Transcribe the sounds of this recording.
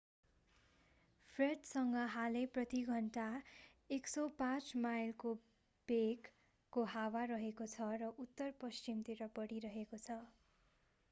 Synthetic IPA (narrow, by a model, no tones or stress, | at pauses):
pʰreʈsʌŋɡʌɦaleprʌt̪iɡʱʌɳʈa | eksʌpãt͡smajlko | b̥ekː | oɦawaɾʌɦekot͡sʰʌrʌʔut̪ːʌrpʌst͡ʃimt̪iɾʌpʌɽiɾʌɦekot͡sʰʌ